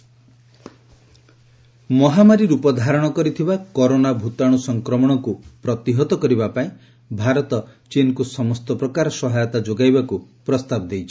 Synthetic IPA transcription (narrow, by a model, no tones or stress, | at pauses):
mɔɦamaɾiɾupɔd̪ʱaɾɔɽ̃ɔkɔɾit̪ʰibakɔɾonabʱut̪aɽ̃usɔŋkɾɔmɔɽ̃ɔkupɾɔt̪iɦɔt̪ɔkɔɾibapaĩ | bʱaɾɔt̪ɔt͡ʃinkusɔmɔst̪ɔpɾɔkaɾɔsɔɦajɔt̪ad͡ʒoɡajbakupɾɔst̪abɔd̪ejt͡ʃʰi̥